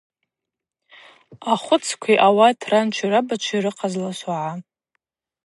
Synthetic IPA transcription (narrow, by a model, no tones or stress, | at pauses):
aχʷʊt͡sʰkʷʰiʔawatʰrant͡ʃʷʰiɾabat͡ʃʷʰiɾɨqʰazlaʃaʕa